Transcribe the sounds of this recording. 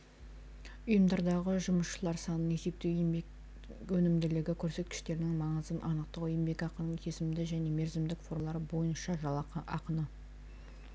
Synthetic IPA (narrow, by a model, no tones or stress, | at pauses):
ʊjəmd̪ɑɾd̪ɑʁəʒʊməsʃəlˠɑɾsɑnəne̞se̞p̚t̪e | ɵnɪmd̪ɪlɪɡʲɪkʲʰɵɾse̞t̪kʲɪ̥ʃt̪e̞ɾɪnɪŋmɑɴəzənʔɑnəq̚t̪əqʊjəmbe̞kɑqənəɴk̪ʲʰe̞sɪmd̪ɪʒæne̞me̞ɾzɪmd̪ɪkfo̞rlˠɑɾəbo̞jənʃɑʒɑlˠɑɑqənə